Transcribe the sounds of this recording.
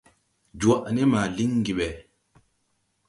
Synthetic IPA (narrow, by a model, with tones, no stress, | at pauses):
d͡ʒwa˨ʔnɛ˦maː˨li˦ŋɡi˨ɓɛ˨